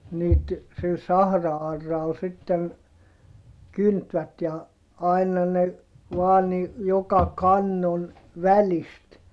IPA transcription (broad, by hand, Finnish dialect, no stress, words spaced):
niːt sil sɑhrɑɑrːɑl sitːen kyntʋæt jɑ ɑi̯nɑ ne ʋɑː ni jokɑ kɑnːon ʋælist